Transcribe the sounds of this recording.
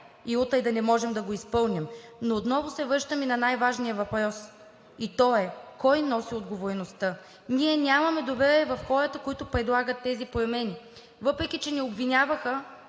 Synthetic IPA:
iot̪əjd̪ɐnɛmɔʒɛmd̪ɐɡoispɤlˠnimnoːt̪nɔvʊsɛvɾɤʃt̪əminɐnajvaʒnijəvɐpɾɔs | it̪ɔɛkɔjnɔsiod̪ɡovoɾɛnost̪ə | nʲiɛnʲamɐmɛd̪ovɛɾiɛvɐfxɔɾət̪əkoit̪ʊpɾɛd̪lˠaɡət̪ːɛzipɾomɛni | vɤpɾɛkit͡ʃɛnɛobvinʲavəxə

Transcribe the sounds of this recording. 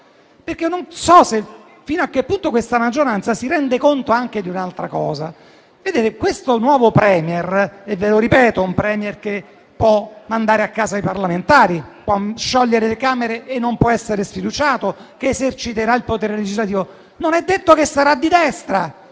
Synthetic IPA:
perk̟enonsɔse | finoakːepːunt̪okwest̪amad͡ʒːoɾant̪sasiɾɛnd̪ekont̪oaŋk̟ed̪iunalt̪ɾa̰kɔ̰ːza̰ | ved̪eːt̪ekwest̪onwɔːvopɾɛːmjerevːeloɾipɛːt̪oumpɾɛːmjerke | pːwɔmand̪aːɾeakːaːzajparlament̪aːɾipwɔʃːɔʎːeɾelekaːmeɾeːnːompwɔɛsːeɾesfid̪ut͡ʃaːt̪okeːzert͡ʃit̪eɾailpot̪eːɾeled͡ʒizlat̪iːvo | nonɛd̪ːet̪ːokesːaɾad̪ːid̪ɛst̪ɾa

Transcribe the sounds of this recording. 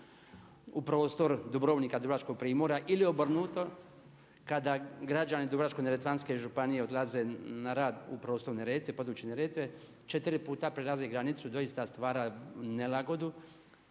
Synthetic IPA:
upɾo̞ːst̪o̞ɾd̪ubɾo̞ːʋniːkad̪ubɾat͡ʃko̞ɡ̚pɾiːmoɾaʔilio̞br̩nuːt̪o̞ | kad̪aɡɾad͡ʒanid̪ubɾat͡ʃkoneɾet̪ʋanske̞ʒupanijeod̪laze̞naɾaːd̪upɾo̞ːst̪o̞ɾneɾeːt̪ʋepo̞d̪uːt͡ʃeneɾeːt̪ʋe | t͡ʃe̞t̪iɾipuːt̪apɾelˠazeɡɾanit̪sud̪o̞ist̪ast̪ʋaːɾane̞laɡo̞d̪u

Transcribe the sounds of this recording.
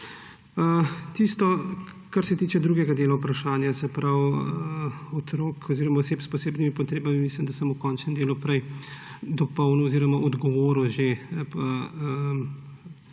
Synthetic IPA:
ət̪ist̪ɔ | kaɾsɛt̪iːt͡ʃɛd̪ɾuːɡɛɡad̪eːlaupɾaʃaːnjasɛpɾaw | ɔt̪ɾoːkʰɔziːɾɔmaɔseːpspɔseːbnimipɔt̪ɾeːbamimislimd̪asəmukɔnt͡ʃnɛnd̪eːlupɾɛj | d̪ɔpɔwnɔɔziːɾɔmaʔɔd̪ɡɔʋoːɾuʒepɐəm

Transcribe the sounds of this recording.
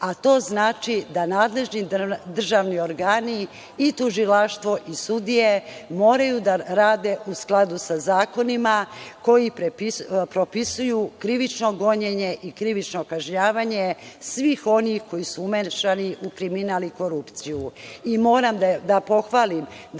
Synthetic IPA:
at̪o̞ːznaːt͡ʃid̪anaːd̪le̞ʒnid̪r̩ʒaʋnio̞ɾɡaːniː | t̪uʒilaʃt̪ʋo̞ʔisud̪ije̞mo̞ːɾajud̪aɾaːd̪e̞ʔusklˠad̪usazaːko̞nimako̞jipɾpɾo̞pisujukɾiʋit͡ʃno̞ɡo̞ɲeɲe̞ʔikɾiʋit͡ʃnokaʒɲaːʋaɲe̞sʋixo̞nixko̞jisuumeʃaniʔukɾiminaːliko̞ɾupt̪sijuimo̞ːɾamd̪apo̞xʋaːlim

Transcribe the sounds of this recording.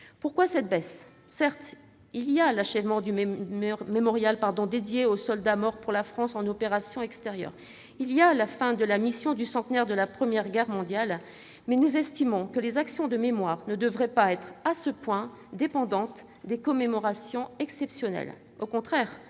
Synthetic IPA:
puʁkwasɛt̪̚bɛsː | ɛʁt̪ | ilijalaʃɛvmɑ̃d̪y | memɔʁjalpaʁd̪ɔ̃d̪ed̪jeosɔld̪amɔʁpuʁlafχɑ̃sɑ̃nɔpeʁasjɔ̃ɛkst̪eʁjœ̰ːʁ | ilialafɛ̃d̪əlamisjɔ̃d̪ysɑ̃t̪nɛʁd̪əlapχəmjɛʁɡʲɛʁmɔ̃d̪jal | mɛnuzɛst̪imɔ̃kəlezaksjɔ̃d̪əmemwaʁnəd̪əvʁɛpaɛt̪χasəpwɛ̃ | d̪epɑ̃d̪ɑ̃t̪ | d̪ekɔmemɔʁasjɔ̃ɛksɛpsjɔnɛ̰l | okɔ̃t̪χɛːʁ

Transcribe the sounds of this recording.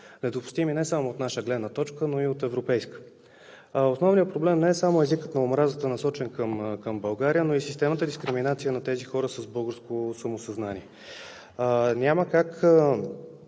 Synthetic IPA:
nɛd̪opʊ̥st̪iminɛsamoot̪naʃəɡlɛd̪nət̪ɔt͡ʃkənoiot̪ɛvɾopɛjskə̥ | osnɔvnijətpɾoblɛmnɛɛsamoɛzikət̪nɐomɾazət̪ənɐsɔt͡ʃɛnkəmkəmbɐlˠɡaɾijənoisist̪ɛmət̪əd̪iskɾiminat̪sijənɐt̪ɛzixɔɾəsəzbɤlˠɡəɾskosɐmosɐznaniɛ | nʲaməkakə

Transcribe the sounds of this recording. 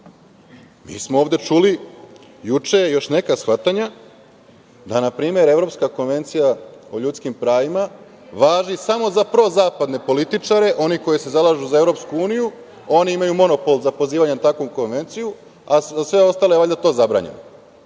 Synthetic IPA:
mḭːsmooːvd̪e̞t͡ʃuli | jut͡ʃe̞jejo̞ʃne̞kasxʋat̪aɲa | d̪anapɾiːmje̞ɾe̞vɾo̞pskako̞nʋe̞nt̪sijaoʎut̪skimpɾaːʋima | ʋaːʒisamo̞zapɾo̞zaːpad̪ne̞po̞lit̪it͡ʂaɾe̞ʔo̞niko̞jese̞zalˠaʒuzae̞ʋɾopskuuːniju | o̞niimajumo̞no̞po̞lˠzapo̞ziːʋaɲenat̪akʋomko̞nʋe̞nt̪siju | aasʋe̞o̞st̪ale̞eʋaʎʲd̪at̪o̞ːzabɾa̰ɲe̞̰no

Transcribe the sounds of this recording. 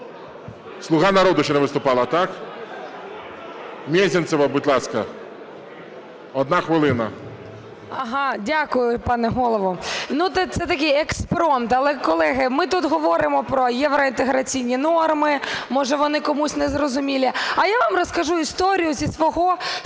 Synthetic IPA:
slˠʊɣɑnɐɾɔd̪ʊʃt͡ʃɛnɛʋɪst̪ʊpɑlˠɐt̪ɑk | mʲɛzʲɪnt̪ɛʋɐbʊt̪ʲlˠɑskɐ | ɔd̪nɑxʋɪlˠɪnɐ | ɐɦɑdʲakʊjʊpɑnɛɦɔlˠɔʋɔnut̪ɛt̪sɛt̪ɐk̬ʲɪjɛkspɾɔmt̪ɐlˠɛkɔlˠɛɦɪmɪt̪ut̪ɦɔʋɔɾɪmɔpɾɔjɛʋɾɔint̪eɦɾɐt͡sʲijnʲinɔrmɪmɔʒɛʋɔnɪkɔmusʲnɛzrɔzʊmʲilʲiɐjaʋamrɔskɐʒuist̪ɔɾʲijʊzʲisʋɔɦɔ

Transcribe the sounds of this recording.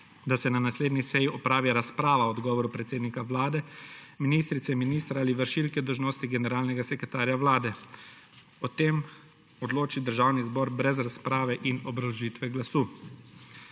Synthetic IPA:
d̪asɛnanasleːd̪nisɛjiɔpɾaːʋiɾaspɾaːʋaɔd̪ɡɔːʋɔɾupɾɛt̪seːd̪nikaʋlaːd̪ɛminiːst̪ɾit̪sɛminiːst̪ɾaaːliʋəɾʃilkɛd̪ɔwʒnoːst̪iɡɛnɛɾaːlnɛɡasɛkɾɛt̪aːɾjaʋlaːd̪ɛ | ɔt̪eːm | ɔd̪loːt͡ʃid̪əɾʒaːwnizbɔːɾbɾɛzɾaspɾaːʋɛʔinɔbɾawʒiːt̪ʋɛɡlasuː

